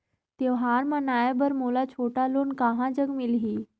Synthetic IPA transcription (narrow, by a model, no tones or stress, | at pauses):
t̪eʋɦaɾmanajabəɾmulat͡ɕʰoʈaloːnkaɦãd͡ʑəɡmilɦiː